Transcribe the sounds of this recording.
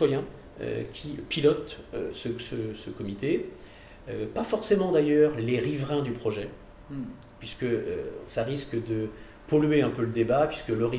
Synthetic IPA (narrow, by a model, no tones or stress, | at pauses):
wajɛ̃ | ø̰kʲʰipilɔt̪øsəsəsəkɔmit̪e | øpafɔʁsemɑ̃d̪ajœːʁleʁivʁɛ̃d̪ypχɔʒɛ | pɥiskəø̰saʁiskd̪ə | pɔlɥeɛ̃pøləd̪ebapɥiskəlɔʁi